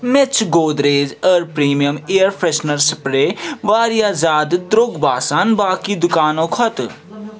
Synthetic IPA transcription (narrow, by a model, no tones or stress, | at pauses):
met͡ʃʰɡoːd̪ɾeːd͡ʒəɾpɾiːmijəmeːəɾpʰɾeʃnəɾspɾeːʋaːɾijaːzaːd̪d̪ɾoɡbaːsaːnbaːkid̪ʊkaːnõːkʰɔt̪